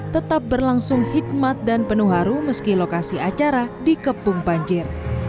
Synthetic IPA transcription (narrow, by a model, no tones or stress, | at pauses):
t̪ət̪ap̚bərlaŋsʊŋhid̚mat̪̚danpənuɦaɾuməskilokasiʔat͡ʃaɾadikəpʊŋpaɲd͡ʒɪr